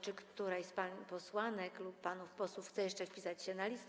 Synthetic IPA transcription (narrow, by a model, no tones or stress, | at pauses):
t͡ʂɘkt̪uɾajɛst̪paɲipɔswanɛklupːanufpɔswufxt̪sɛjɛʂt͡ʂɛfʲpʲisat͡ɕɕɛnalʲist̪